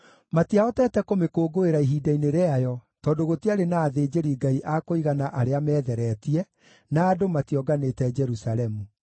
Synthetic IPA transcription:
matiaɔtɛːtɛkomekoːɡoeɾaiɦiːdaineɾeajɔtɔːdoɣotiaɾenaːðeːd͡ʒeɾiɡaiʔakoiɣanaʔaɾeamɛːðɛɾɛːtiɛ | naːdomatiɔɡaneːtɛd͡ʒɛɾusalɛmu

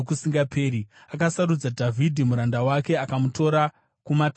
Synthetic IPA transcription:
kusiŋɡapʰeːɾiakasaɾud͡zadʱavʱidʱimuɾandawake̞akamuto̞ɾa | kumat

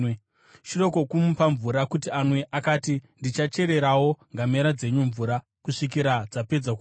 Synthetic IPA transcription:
ʃiro̞ko̞kumupaɱvuɾakutianweʔakaːtindit͡ʃat͡ʃe̞ɾe̞ɾawo̞ŋɡameɾad͡ze̞ɲuɱvuɾa | kuʂik̬iɾad͡zape̞d͡zaku

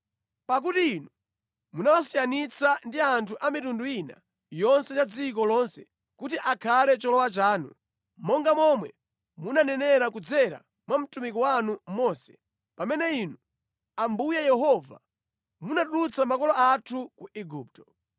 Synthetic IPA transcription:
pak̬utiinu | munawasijanit͡sandiantʰuʔamitunduina̰ | jɔnsɛt͡ʃad͡zik̬ɔlɔnsɛ | kutiʔakʰalɛt͡ʃɔlɔwat͡ʃaːnṵ | mɔŋɡamɔmwɛ | munanɛnɛɾakud͡zɛɾa̰ | mwam̩tumik̬ɔwanumɔːsɛ̥ | pamɛnɛinu | ambujɛjɛɦɔva̰ | munaɗulut͡samakɔlɔatʰukuiɡuːp̚tɔ̥

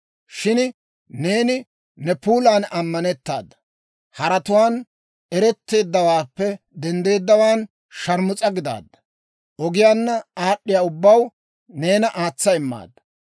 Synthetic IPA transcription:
ʃɪn | ne̞ːnɪ | nɛpuːlaːnɐmːɐnɛt̪ːa̰ːd̪ːɐ̥ | hɐɾɐt̪ʊwaːn | ɛɾɛt̪ːe̞ːd̪ːɐwaːpːɛ | d̪ɛnd̪e̞ːd̪ːɐwaːn | ʃɐɾmʊt͡sʼɐɡɪd̪a̰ːd̪ːɐ̥ | ʔɔɡɪjaːnːɐaːɗːɪjaːʊbːɐw | ne̞ːnɐʔaːt͡sːɐɪmːa̰ːd̪ːɐ̥

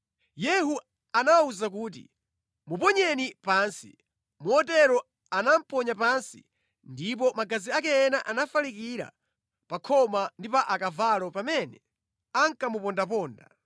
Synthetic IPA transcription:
jɛɦu | anawuzak̬uːt̬ḭ | mupɔɲɛnipaːnsḭ | muɔtɛɾɔ | anam̩pɔɲap̬ansḭ | ndip̬ɔmaɡaziakɛːnaʔanafalikiɾa̰ | pakʰɔmandipaʔakavalɔpamɛnɛ | aŋkamupɔndap̬ɔːnda̰

